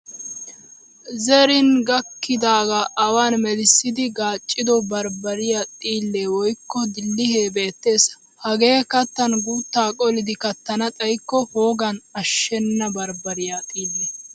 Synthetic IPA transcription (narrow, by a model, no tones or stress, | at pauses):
zɛɾɪnɡɐkːɪd̪aːɡɐʔɐwaːnmɛlɪsːɪd̪ɪɡaːt͡ʃʼːɪd̪ɔbɐɾbɐɾɪjat̪ʼiːlːeːwɔjkːɔd̪ɪlːɪheːbe̞ːt̪ːe̞ːsɐ̥ | hɐɡe̞ːkɐt̪ːɐnɡuːt̪ːaːkʼɔlɪd̪ɪkɐt̪ːɐnɐt̪ʼɐjkːɔhoːɡɐnɐʃːɛnːɐbɐɾbɐɾɪjaːt̪ʼiːlːe